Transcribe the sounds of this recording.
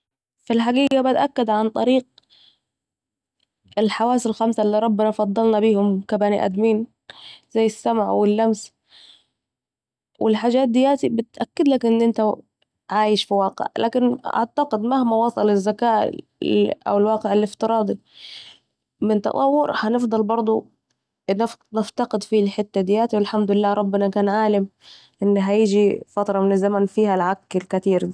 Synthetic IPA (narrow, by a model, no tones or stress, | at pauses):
filħaɡiːɡabɪt̪ʔakːad̪ʕant̪ˤɑɾiːq̚ | ɪlħawaːsɪlxamsalːiːɾˤɑbːɪnɑfɑd̪ˤːɑlnɑbiːhʊmkabaːniʔæ̰d̪miːn | zajːɪsːamʕwɪlːams | wʔɪ̰lħaːd͡ʒaːt̪̚d̪ɪjaːt̪ibɪt̪ʔakːɪd̪lakʔɪnːʔɪnt̪a | ʕaːjɪʃfiwɑːqḛʕlʔa̰ːkɪnʔa̰ʕt̪aqɪd̪mahmawɑsˤɑlɪzːakaːʔ | ʔa̰wɪlwɑːqɪʕɪlɪft̪ɨɾˤɑːd̪ˤi | mɪnt̪ɑ̰t̪ˤɑwːʊɾhanɪfd̪ˤɑlbɑɾˤd̪ˤu | nɪnɪft̪aqɪd̪filħɪt̪ːad̪ɪjaːt̪iwɪlħamd̪ʊlɪlːaːɾˤɑbːɪnakaːnʕaːlɪm | ʔɪnːɦajɪd͡ʒifat̪ɾˤɑmɪnɪzːamanfiːhalʕakːɪlkat̪iːɾ